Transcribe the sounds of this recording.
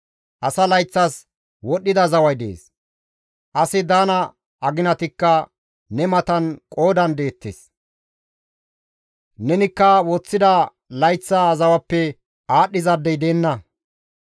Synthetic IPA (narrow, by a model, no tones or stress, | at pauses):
ʔɐsɐlɐjt͡sːɐs | wɔɗːɪd̪ɐzɐwɐjd̪ḛːs | ʔɐsɪd̪aːnɐ | ɐɡɪnɐt̪ɪkːɐ | nɛmɐt̪ɐnkʼo̞ːd̪ɐnd̪e̞ːt̪ːḛs | nɛnɪkːɐwɔt͡sːɪd̪ɐ | lɐjt͡sːɐːzɐwɐpːɛ | aːɗːɪzɐd̪ːɛjd̪eːnːɐ